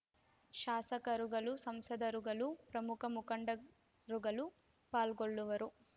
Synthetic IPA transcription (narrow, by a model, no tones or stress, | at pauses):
ʃaːsɐkɐɾuɡɐlusɐmsɐd̪ɐɾuɡɐlupɾɐmukɐmukɐɳɖɐ | ɾuɡɐlu | paːlɡoɭːuʋɐɾu